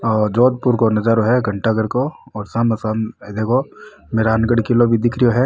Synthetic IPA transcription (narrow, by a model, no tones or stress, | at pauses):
ɔːd͡ʒoːd̪̚puɾkonɐd͡ʒaːɾoɦɛɡʱɐɳʈaɡəɾkoɔːɾsamɐsamɛd̪eːkʰo | meːɾaːnɡəɽkilobʱid̪ɪkʰɾijoɦɛ